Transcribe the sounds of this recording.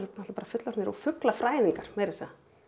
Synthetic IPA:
nat̪lapaːɾafʏt̪laɾnɛɾɔfʏklafɾaːjðiŋkaɾ̥mejɾɪsɛða

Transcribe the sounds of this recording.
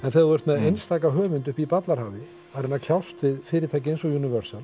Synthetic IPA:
ɛnθɛɛɾt̪mɛejnst̪aːkaɦœːvʏnt̪ʏhpipat̪laɾhaːvɪ | aɾɛnːakʰl̥jawst̪vɪðfɪːɾɪɾ̥t̪ʰɛjcɪensɔjunɪvœɾ̥sal

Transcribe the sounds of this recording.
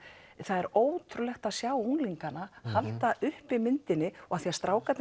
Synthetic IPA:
θaðɛɾoːwt̪ʰɾʏlɛxt̪aðsjaːwuŋliŋkanahalt̪aʔʏhpɪmɪnt̪ɪnːɪɔɣaθiast̪ɾʔaːwkat̪n

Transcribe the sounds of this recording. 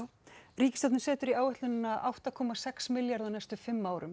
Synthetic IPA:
ɾiːcɪst̪at̪nsɛːt̪ʏɾiaːwɛht̪lʏnɪnːaʔawht̪akʰɔːmasɛksmɪljaɾðawnajst̪ʏfɪmːaːwɾʏm

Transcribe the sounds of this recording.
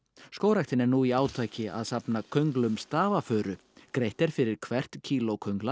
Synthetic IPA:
skoːwɾaxt̪ɪnɛɾnuːiaːwt̪ʰaːjcɪa̰ðsapnakʰœɥŋklʏmst̪aːvafœːɾʏ | kɾejht̪ɛɾ̥fɪɾɪɾ̥kʰvɛr̥t̪cʰiːlowkʰœɥŋkla

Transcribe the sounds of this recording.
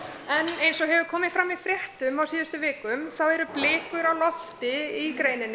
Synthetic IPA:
ɛnejnsɔɦɛvʏkʰɔːmɪfɾamːifɾjɛht̪ʏmawsiːðast̪ʏvɪːkʏmθawɛɾʏplɪːkʏɾawlɔft̪ɪikɾeːjnɪnː

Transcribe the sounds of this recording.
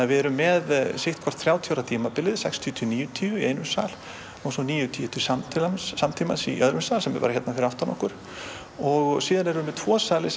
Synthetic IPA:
avɪɛɾʏmːɛðseht̪̚kʰɔr̥t̪θɾjaːwt̪ʰjoɾat̪ʰiːmapɪlɪðsɛ̰kst̪ʰiʏt̪ʰiːniːjʏt̪ʰiːʏiejnʏmsa̰l̥ | owsɔniːjʏt̪ʰiːt̪ʰɪ̥samt̪ʰɪlamsːamt̪ʰiːma̰nsiʔœðɾʏmsaːlsɛmɛ̰pa̰ɾaçjɛt̪nafɪɾawht̪anɔ̰hkʏɾ̥ | ɔɣsiːðanɛɾmːɛt̪ʰvɔːsaːlɪs

